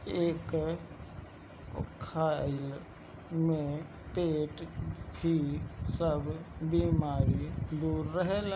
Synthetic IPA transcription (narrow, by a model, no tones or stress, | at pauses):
eːk | o̰kʰːaɪl | mẽ | peːʈbʱisəbʱbimaːɾid̪uːɾːəɦel